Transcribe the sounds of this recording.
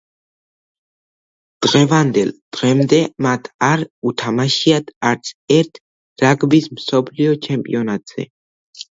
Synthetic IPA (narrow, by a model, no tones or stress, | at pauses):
d̪̥ʁɛvand̪ɛlˠd̪̥ʁɛmd̪ɛmat̪ʰaɾut̪ʰamaʃiad̪aɾt̪sʰɛɾt̪ʰ | ɾaɡbismsɔpʰliɔt͡ʃʰɛmpʼḭɔnat̪ʼz̥ɛ̰